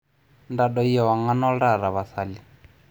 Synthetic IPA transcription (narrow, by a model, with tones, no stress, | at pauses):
nda˨dɔ˨i˦ɛ˨wa˨ŋa˦nɔ˦ɺa˦˨ɾa˨βa˨θa˨li˦